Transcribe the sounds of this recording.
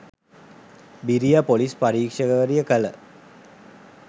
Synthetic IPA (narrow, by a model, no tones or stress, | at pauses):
biɾijapolispaɾiːkʂəɡəʋəɾijəkələ